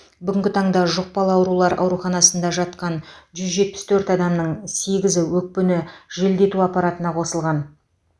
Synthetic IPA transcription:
bʏɡʲɪŋʲɡʲɪt̪ʰɑɴd̪ɑʒoq̚pɑlˠɑwɾulˠɑɾɑ̰wɾuχɑnɑsənd̪ɑʒɑt̪qɑnʒʏzʒe̞t̪̚pɪ̥st̪ʰɵɾt̪ɑd̪ɑmnəɴse̞ɡʲɪzɪwɵk̚pʏnɪʒe̞ld̪e̞t̪uɑpɑɾɑt̪ənɑqʰo̞səlˠʁɑn

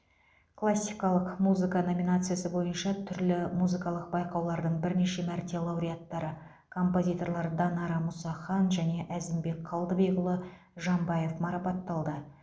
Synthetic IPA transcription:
kʰlˠasʲːijkɑlˠəqmuzɨkano̞mʲinat̪sɨjasəbo̞jənʃɑt̪ʰʏɾlɪmuzɨkɑlˠəq̚bɑjqɑwlˠɑɾd̪əɴbɪɾne̞ʃe̞mæɾt̪e̞lˠɑwɾʲijat̪ːɑɾə | kʰo̞mpo̞zʲijt̪o̞ɾlˠɑɾd̪ɑnɑɾɑmʊsɑχɑnʒæne̞ʔæzɪmbe̞kqʰɑlˠd̪əbejɡʊlˠə | ʒɑmbɑjefmɑɾɑpɑt̪ːɑlˠd̪ə

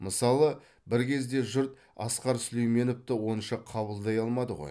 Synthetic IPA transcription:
məsɑlˠə | bɪɾkʲʰe̞zd̪e̞ʒʊɾt̪ | ɑ̰sqɑɾsʏlejme̞nʊp̚t̪ɪwo̞nʃɑqʰɑβəlˠd̪ɑjɑlˠmɑd̪əʁoj

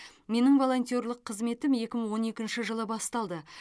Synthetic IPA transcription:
me̞nɪŋvo̞lˠo̞nt̪ʲjo̞rlˠəqʰːəzme̞t̪ɪmje̞kʲɪməɴwo̞ne̞kʲɪnʃɪʒəlˠəbɑst̪ɑlˠd̪ə

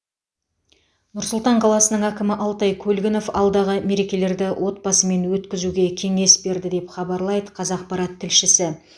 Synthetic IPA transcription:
nʊɾsʊlˠt̪ɑɴqʰɑlˠɑsənəɴækʲɪmɪʔɑlˠt̪ɑjkʲʰɵlɡʲɪno̞fɑ̰lˠd̪ɑʁəme̞ɾe̞kʲe̞le̞ɾd̪ɪwʔo̞t̪̚bɑsəme̞nwɵt̪kʲɪzuɡʲe̞kʲʰe̞ŋe̞sbe̞ɾd̪ɪd̪e̞pχɑbɑɾlˠɑjd̪əqʰɑzɑq̚pɑɾɑt̪ʰːɪlʃɪsɪ

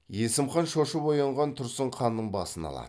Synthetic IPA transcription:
je̞sɪmχɑnʃoʃəpojɑɴʁɑnt̪ʰʊɾsəɴqʰɑnːəɴbɑ̰sənɑ̰lˠɑ̰

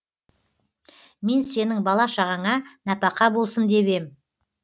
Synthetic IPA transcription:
me̞nse̞nɪŋbɑlˠɑʃɑʁɑɴɑnɑpɑqɑbo̞lˠsənd̪e̞be̞m

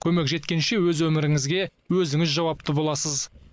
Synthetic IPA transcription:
kʲʰɵme̞kʒe̞t̪̚kʲe̞nʃe̞wɵzwɵmɪɾɪŋɪzɡʲe̞wɵzɪŋɪzʒɑwɑp̚t̪ʰəbo̞lˠɑsəz

